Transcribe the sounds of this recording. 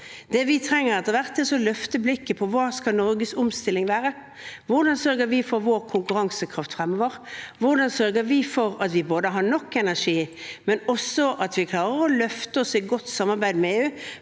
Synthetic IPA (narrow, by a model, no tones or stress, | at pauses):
d̪̥ɛʋɪt̪ʰɾɛŋːəɾɛt̪ːəʋæʁt̪ɛsɔlœft̪əblɪkːəpʰɔʋɑːskɑnɔɾɡəsʊmst̪ɪlːɪŋʋæːɾə | ʋʊʁd̪ɑnsœɾɡəɾʋɪfɔɾʋoːɾkʰʊŋkʉɾɑŋsəkʰɾɑft̪fʁɛmːoːʋəʁʋʊʁd̪ɑnsœɾɡəɾʋɪfɔɾɑt̪ʋɪboːd̪əɦɑɳɔkːɛnæʁʂiːmɛnɔsːɔʔɑt̪ʋɪkʰlɑːɾəʁɔlœft̪əɔsɪɡɔt̪ːsɑmːɑʁɾbæɪd̪mɛeːʉː